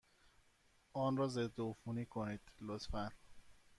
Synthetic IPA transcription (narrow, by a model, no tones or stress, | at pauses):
ɒːnɾɒːzed̪ːoːfuniːkʰoniːd̪̥lot̪fæn